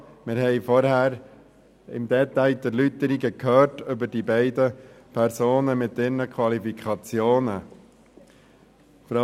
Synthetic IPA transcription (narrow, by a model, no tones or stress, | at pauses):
mɪɾɦɛɪfɔɾhæːɾ | ɪ̰md̪ɛt̪aɪd̪ɛɾlytəɾiɡəkʰhœːɾtʏbəɾd̥ibɛɪdəpʰɛɾsoːnəmɪt̪ɪɾnəkʰwɑlifikʰɑt͡sjoːnə | fɾa